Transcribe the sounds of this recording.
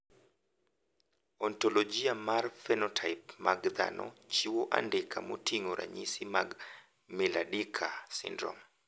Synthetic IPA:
ɔntɔlɔd͡ʒiamaɾfɛnɔtʰajpmaɡða̰nɔ̰t͡ʃiwɔʔa̰ndɛkʰamutiŋɔɾa̰ɲisimaɡ | mɛlaɗikʰasḭndɾɔ̰m

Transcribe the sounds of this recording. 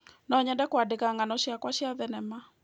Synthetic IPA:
nɔɲɛndɛkwadekaŋanɔɕjakwaʃiaðɛnɛma

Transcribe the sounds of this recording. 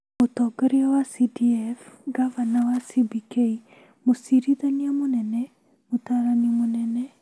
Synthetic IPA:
motɔːɡɛɾeɔwasidiɛfɡavanawasibikei | mosiɾiðaniamonɛnɛ | motaɾaniamonɛnɛ

